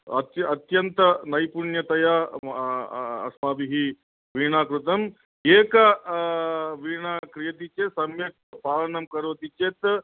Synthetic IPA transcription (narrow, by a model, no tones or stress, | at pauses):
ɐ̰t̪ɐt̪jɐnt̪ɐnɐjpuɳjɐt̪ɐja | ɐ̰smaːbiɦi | ʋiːɳaːkɾut̪ɐm | eːkɐ | ʋiːɳaːkɾijɐt̪it͡ʃesɐmjɐk̚t̪paːlɐɳɐmkɐɾʋɐt̪it͡ʃeːt̪